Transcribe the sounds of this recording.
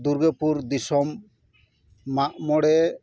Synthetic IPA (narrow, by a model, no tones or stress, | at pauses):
d̪uɾɡepuɾd̪isɔm | aʔmɔɽɛ